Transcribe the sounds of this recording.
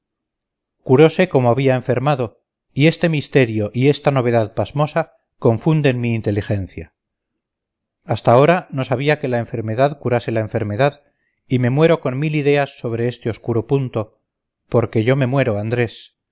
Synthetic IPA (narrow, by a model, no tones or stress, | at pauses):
kuɾo̞se̞ko̞moaβiae̞ɱfe̞ɾmaðo̞ | ie̞st̪e̞mist̪e̞ɾjo̞ʔie̞st̪ano̞β̞e̞ðaðpazmo̞sa | ko̞ɱfund̪e̞nmiːnt̪e̞lixe̞nθja | ast̪ao̞ɾano̞saβ̞iake̞laeɱfe̞ɾme̞ðaðkuɾase̞laeɱfe̞ɾme̞ðað | ime̞mwe̞ɾo̞ko̞nmiliðe̞asːo̞β̞ɾe̞est̪eo̞skuɾo̞punt̪o̞ | po̞ɾke̞ʝo̞me̞mwe̞ɾo̞and̪ɾe̞s